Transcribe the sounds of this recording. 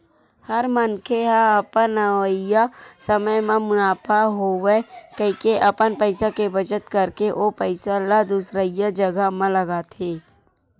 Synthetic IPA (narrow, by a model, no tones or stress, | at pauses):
həɾmənkʰeɦaɐpənəʋəjasəməjmẽmʊnaːpaɦowekəikeʔɐpənpəɪsakebət͡ʃət̪kəɾkeʔopəɪsalad̪usɾəjad͡ʒəɡamãləɡat̪ʰeː